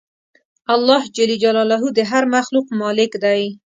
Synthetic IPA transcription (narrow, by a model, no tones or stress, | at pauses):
alːɑhd͡ʒalid͡ʒalɑlaɦud̪əɦaɾmaxluqmɑlɪkd̪aj